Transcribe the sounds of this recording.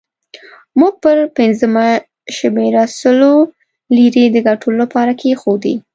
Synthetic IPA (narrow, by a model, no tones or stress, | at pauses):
muɡ̚pəɾpɪnzəma | ʃmeɾasəlo | liɾed̪əɡaʈʰolapɑɾakʰexod̪ḭ